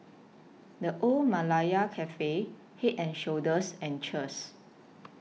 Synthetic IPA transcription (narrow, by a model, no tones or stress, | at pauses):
dəʔolmalajakʰɛfe | hit̚ɛ̃nʃodəsɛ̃nt͡ʃəs